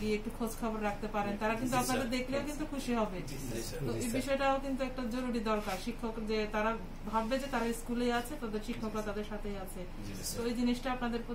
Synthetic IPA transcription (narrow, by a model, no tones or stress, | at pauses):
ɡieek̚ʈukʰod͡ʑkʰɔboɾɾakʰt̪epaɾent̪aɾakint̪uapnad̪eɾd̪ekʰleokint̪ukʰuʃiɦɔbe | t̪oebiʃɔeʈaokint̪uɛk̚ʈad͡ʑoɾuɽid̪ɔɾkaɾʃikʰːokd͡ʑet̪aɾa | bʱabːed͡ʑet̪aɾaiskulejat͡ɕʰet̪ad̪eɾʃikʰːokɾat̪ad̪eɾʃat̪ʰejat͡ɕʰe | t̪oejd͡ʑiniʃʈaapnad̪eɾpo